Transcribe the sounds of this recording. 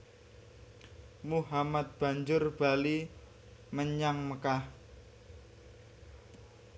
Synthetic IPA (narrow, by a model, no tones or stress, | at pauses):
muɦamat̪̚b̥a̤ɲd͡ʒʊrb̥a̤li | məɲaŋməkah